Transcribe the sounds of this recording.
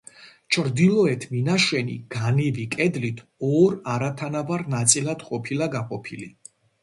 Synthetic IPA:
t͡ʃʰɾd̪ilɔɛt̪ʰminaʃwɛnḭɡ̥anivikʼɛd̪lit̪ʰɔɾaɾat̪ʰanavaɾnat̪sʼilad̪̥qʼɔpʰilaɡaqʼɔpʰili

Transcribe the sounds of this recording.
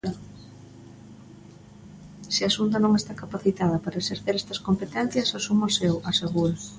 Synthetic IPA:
sɪasunt̪ɐnõŋest̪akapaθit̪aðɐpaɾɐeseɾθeɾɛst̪ɐskompet̪ɛn̟θjɐsasumosewʔaseɣuɾ

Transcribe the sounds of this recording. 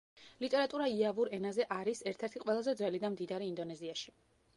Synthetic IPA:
lit̪ʼɛɾat̪ʼuɾaiavuɾɛnazɛʔaɾisɛɾt̪ʰɛɾt̪ʰiqʼwɛlˠazɛd̪zwɛlid̪amd̪id̪aɾiːnd̪ɔnɛziaʃi

